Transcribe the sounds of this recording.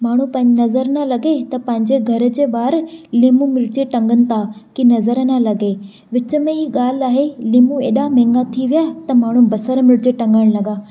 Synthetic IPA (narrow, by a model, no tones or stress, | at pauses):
maːɳ̤ũpɐ̃ɪ̃ɲd͡ʑɪnɐzəɾnalɐɡet̪ɐpɐ̃ɦɪ̃ɲd͡ʑeɡʱɐɾ̆d͡ʑeːɓaːɾliːmũmɪɾɪd͡ʑeʈɐ̃ŋɡənɪ̆t̪ʰaːkinɐzəɾnalɐɡe | ʋɪt͡ɕʊ̆mẽɦiːɠaːl̤aːɦeliːmũḛːɗamẽːŋɡat̪ʰiʋijaːt̪ɐmaːɳ̤ũbɐsəɾmɪɾɪd͡ʑeʈɐ̃ŋɡəɽ̃lɐɡaː